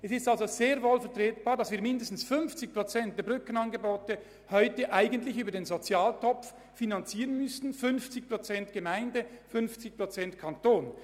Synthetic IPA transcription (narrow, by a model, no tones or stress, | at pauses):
ɛsɪstalzoz̥eːɐvoːlfɛɐʁtʁeːtb̥aːʁdɑsv̥iːɐmɪndəstn̩sfʏnft͡sɪçpʁot͡sɛnt̚dɛɐbʁʏkənɑnɡəboːtə | hɔʏtəʔaɪɡəntlɪçyːbɐdeːnzot͡sjaːltʰɔpf | finant͡siːʁənmʏstn̩fʏnft͡sɪçpʁ̥ot͡sɛntɡ̥əmaɪndəfʏnft͡sɪç̚pʁ̥ot͡sɛntkʰantoːn